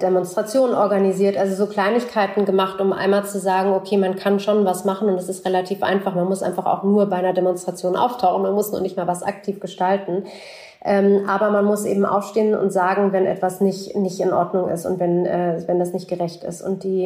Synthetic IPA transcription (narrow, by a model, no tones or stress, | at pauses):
d̥emɔnstʁ̥at͡sjoːnʔɔɐɡaniziːɐtʔalzozoːkl̥aɪnɪçkʰaɪtn̩ɡəmaχtʊmʔa̰ɪnmaːlt͡suzaːɡŋ̩okʰeːmankʰanʃoːnvasmaχn̩ʊntɛsɪstʁelatʰiːfʔa̰ɪnfaχmanmʊsʔa̰ɪnfaχa̰ʊxnuːɐbaɪnɐdemɔnstʁ̥at͡sjoːnʔa̰ʊftʰaʊχn̩manmʊsnuːɐnɪçtmaːɐvasʔa̰k̚tʰiːfɡ̥əʃtaltn̩ | ʔɛːmʔaːbɐmanmʊsʔḛːbm̩ʔa̰ʊfʃteːənʊ̰ntz̥aːɡŋ̩vɛnʔɛ̰tv̥asnɪçtnɪçtɪnʔɔɐdnʊŋɪ̰stʊ̰ntv̥ɛnʔɛːvɛndasnɪçt̚ɡ̥əʁɛçtɪ̰stʊ̰nt̚d̥iː